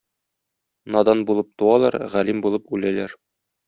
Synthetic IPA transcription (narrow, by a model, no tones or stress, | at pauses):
nɒd̪ɑnbulˠɤp̚t̪uwɑlˠɑɾʁælimbulˠɤpʉlælæɾ